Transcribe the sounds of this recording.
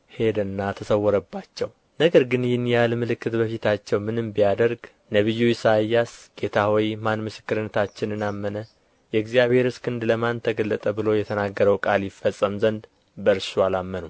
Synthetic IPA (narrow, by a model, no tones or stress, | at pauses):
he̞d̪ənːat̪ʰəsəwːɔɾəbːat͡ʃːɛw | nəɡəɾɡɨnjɪnjalmɨlɨkːɨt̪bəfit̪ʰat͡ʃːɛwmɨnɨmbijad̪əɾɡ | nəβɨjːuisajːasɡ̥e̞t̪ʰawɔjmanmɨsɨ̥kːɨɾɨnːət̪ʰat͡ʃːɪnɨnamːənə | jɛɨɡzijaβhe̞ɾɨskʰɨnd̪ləmant̪ʰəɡəlːət̪ʼəbɨlo̞jɛt̪ʰənaɡːəɾəwkʼaljɪfːəsʼːəmzənd̪ | bəɾsualamːənu